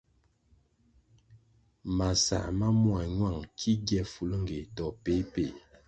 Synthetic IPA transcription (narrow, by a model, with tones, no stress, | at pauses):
ma˨sa̰˨ma˦mwa˨ɲwa˦˨ŋkʰi˦ɡjɛ˦fu˨lŋ̩˦ɡe˨tɔ˨pe˨˦pe˨